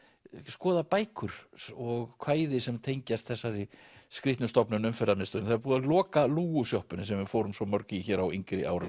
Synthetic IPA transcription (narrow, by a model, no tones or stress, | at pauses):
skɔːðapaːjkʰʏɾ̥ɔɣkʰvaːjðɪsɛmt̪ʰejɲcast̪θɛsːaɾɪskɾɪht̪nʏst̪ɔpnʏnʏmfɛɾðamɪst̪œːnθaðɾpuːðalɔːkaluːɣʏsjɔhpʏnɪsɛmvɪɾfoːwɾʏmsɔmœɾcɪçɛːɾaweŋkɾɪʔa̰ːwɾa